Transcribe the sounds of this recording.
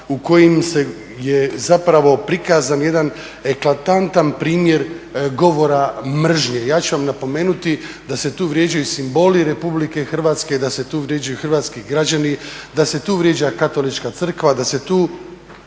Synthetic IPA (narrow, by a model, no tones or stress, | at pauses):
uko̞jimse | jezapɾaʋo̞pɾikaːzanje̞d̪an | e̞klˠat̪ant̪anpɾiːmje̞ɾɡo̞ʋo̞ɾamr̩ʒɲejaːt͡ɕuʋamnapo̞me̞ːnut̪i | d̪ase̞t̪uːʋɾje̞ːd͡ʒajusimbo̞ːliɾe̞publike̞xr̩ʋaːt̪sked̪aset̪uːʋɾje̞ːd͡ʒajuxr̩ʋaːt̪skiɡɾad͡ʑanid̪ase̞t̪uːʋɾje̞d͡ʑakat̪o̞lit͡ʃkat̪sr̩kʋad̪ase̞t̪uː